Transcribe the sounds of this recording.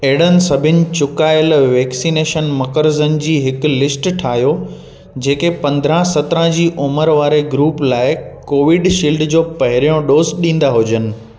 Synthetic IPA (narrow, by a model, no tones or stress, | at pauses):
eɦɪɽ̤ənɪ̆sɐbʱɪnɪ̆t͡ɕʊkaːɪlʋɛːksiːneːʃənmɐkəɾzənɪ̆d͡ʑiːɦɪklɪsʈʈʰaːɦjo | d͡ʑeːkepɐ̃nd̪ɾə̃sɐt̪ɾə̃d͡ʑiːʔʊməɾʋaːɾeɡɾuːplaːɪkoːʋɪɖʃiːlɖd͡ʑoːpɐɦɪɾijõɗoːzɗĩːn̆d̪aɦʊd͡ʑənɪ̆